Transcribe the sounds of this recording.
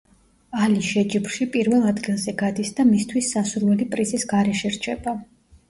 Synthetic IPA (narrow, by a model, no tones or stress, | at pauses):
aliʃɛd͡ʒibɾʃipʼiɾvɛlˠad̪ɡilˠzɛɡad̪isd̪amist̪ʰwisːasuɾvɛlipʼɾizisɡaɾɛʃɛɾt͡ʃʰɛba